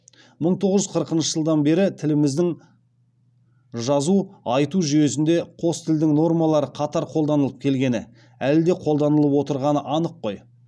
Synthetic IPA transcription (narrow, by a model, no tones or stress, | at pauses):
məɴt̪ʰo̞ʁəʒʏzqʰəɾəqənʃəʒəlˠd̪ɑnbe̞ɾɪt̪ʰɪlɪmɪzd̪ɪŋ | ʒɑzuɑjt̪uʒyje̞s̬ɪnd̪e̞qʰo̞st̪ʰɪld̪ɪŋno̞rmɑlˠɑɾəqʰɑt̪ɑɾqʰolˠd̪ɑnəlˠəp̚kʲʰe̞lɡʲe̞nɪ | æld̪e̞qʰo̞lˠd̪ɑnəlˠəpwo̞t̪əɾʁɑnəʔɑnəqːo̞j